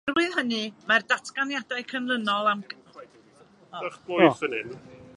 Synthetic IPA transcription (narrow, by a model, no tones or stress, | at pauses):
rwɨðɦənɨmardatʰɡ̥anjadajkʰənlənɔlˠam | aχbojsənɨn